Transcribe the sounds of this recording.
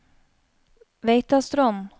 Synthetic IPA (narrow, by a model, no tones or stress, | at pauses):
ʋeɪt̪ɑst̪ɾɔn